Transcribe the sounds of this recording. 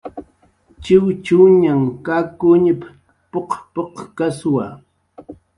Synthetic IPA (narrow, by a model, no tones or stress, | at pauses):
t͡ʃɪwt͡ʃuɲaŋkakʊɲɪp | poqpoqkaswa